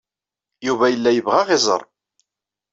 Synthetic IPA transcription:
juvæjəlːæjəvʁaʁɪzˤə̰ɾˤ

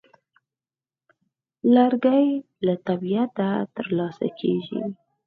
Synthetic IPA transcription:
laɾɡaj | lat̪abiat̪at̪əɾlɑsa̰kʰeʒḭ

